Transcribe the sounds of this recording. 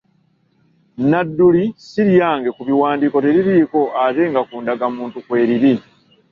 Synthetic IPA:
nadːulisiɾjjaːŋɡe̞kuβiwaːndiːko̞teɾiɾiːko̞ʔate̞ŋɡakuːndaɡamuːntukwe̞ːɾiɾi

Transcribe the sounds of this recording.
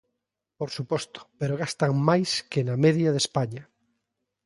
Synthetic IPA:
poɾsupɔst̪o̥peɾoɣ̞ast̪aŋmajskenameðjaðespaɲa

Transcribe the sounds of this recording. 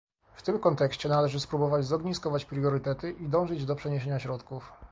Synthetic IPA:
ft̪ɘmkɔnt̪ɛkɕt͡ɕɛnalɛʐɘspɾubɔvad͡ʑzɔɡɲiskɔvat͡ɕpɾjɔɾɘt̪ɛt̪ɘʔid̪ɔ̃w̃ʐɘd͡ʑd̪ɔpʂɛɲeɕeɲaɕɾɔt̪kuf

